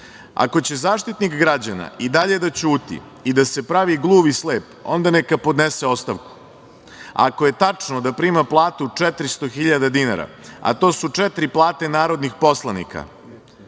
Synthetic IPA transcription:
a̰ko̞t͡ɕe̞zaːʃt̪it̪nikɡɾad͡ʑana̰id̪aʎe̞d̪at͡ɕuːt̪ḭ | id̪ase̞pɾaʋiɡlˠuːʋisleːpond̪anekapo̞d̪neseo̞st̪aʋku̥ | a̰ko̞je̞t̪at͡ʂnod̪apɾiːmaplˠaːt̪ut͡ʂɛt̪ɾist̪o̞xiʎad̪ad̪inaɾa̰a̰t̪o̞ːsut͡ʂɛt̪ɾiplˠaːt̪e̞naːɾo̞d̪nixpo̞slˠanḭkʰa̰

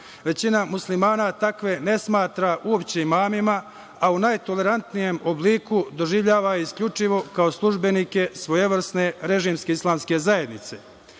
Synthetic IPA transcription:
ʋe̞t͡ɕinamuslimaːnat̪akʋe̞ne̞smaːt̪ɾaʔuopt͡ɕeimaːmima | aunajt̪o̞le̞ɾant̪nije̞mobliːkud̪o̞ʒiʋʎaːʋaiskʎʲut͡ʂiʋo̞kao̞slˠuʒbe̞niːke̞sʋojeʋɾsne̞ɾe̞ʒiːmske̞islˠaːmske̞zaje̞d̪nit̪se̞

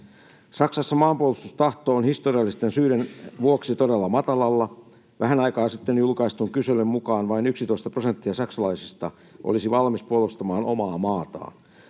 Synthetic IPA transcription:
sɑksɑsːɑmɑːmpuolust̪ust̪ɑht̪oːnhist̪oriɑlːist̪ensyːdenʋuoksit̪odelːɑmɑt̪ɑlɑlːɑ | ʋæɦænɑikɑːnsit̪ːenjulkɑist̪uŋkysølːømmukɑːnʋɑinyksit̪o̞ist̪ɑpro̞sent̪ːiɑsɑksɑlɑisist̪ɑ | ʔo̰lisiʋɑlmispuolust̪ɑmɑːnomɑːmɑːt̪ɑ̰ːn

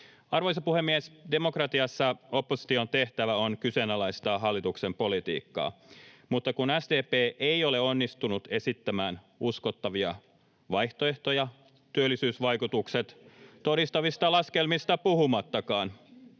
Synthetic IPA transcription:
ɑrʋojsɑpuhemːiesde̞mo̞krɑt̪iɑsːɑo̞pːosi̥t̪iont̪e̞ht̪æʋæo̞nkysenɑlæjst̪ɑːɦɑlːit̪uksempo̞lit̪ḭːkːɑ̰ːmut̪ːɑkunæsdeːpeːʔeio̞leo̞nːist̪unut̪e̞sit̪ːæmæːn | usko̞t̪ːɑʋiɑ | ʋɑjht̪oe̞ht̪o̞jɑ | t̪yølːisyːsʋɑjkut̪ukset̪t̪o̞ɾist̪ɑʋist̪ɑlɑskelmist̪ɑpuhumɑt̪ːɑkɑːn

